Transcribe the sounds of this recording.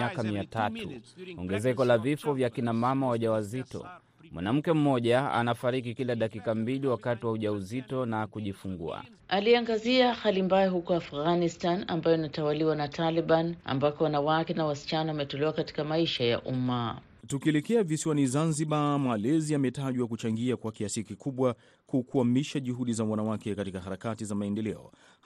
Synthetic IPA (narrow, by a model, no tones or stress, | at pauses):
akamiatatʰṵɔ̰ŋɡɛzɛkɔlavifɔvjakinamamawaʄawazitɔ̰ | mwa̰nam̩kɛm̩mɔʄaa̰nafaɾik̬ikilaɗakikambiliwakatiwauʄauzitɔnakuʄifuŋɡṵa̰ | aliaŋɡaziahalimbajaɦukɔafɣanistana̰mbajɔinatawaliwanatʰaliɓana̰mbakɔwanawakɛnawasi̥t͡ʃanawamɛtɔlɛwakati̥kamaiʃaja̰ʔuma | tukiɛlɛkɛavisiwanizanziɓamalɛziamɛtaʄwakut͡ʃaŋɡiakwakiasikikʰuɓwa | kukuamiʃaʄuɦuɗizawanawakɛkatikahaɾakatizamaɛndɛlɛɔ̰